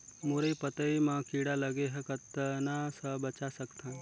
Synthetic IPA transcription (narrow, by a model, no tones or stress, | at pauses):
moɾejpət̪əimãkiɽaləɡeɦekət̪ənasəbət͡ʃasəkt̪ʰã